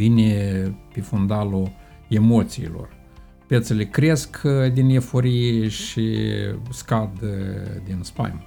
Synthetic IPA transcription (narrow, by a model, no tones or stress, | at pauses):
vinʲepefund̪alu | e̞mo̞t̪siːlo̰r | pet̪selekɾe̞skd̪inefo̞ɾijeʃḭskad̪d̪inspa̰jm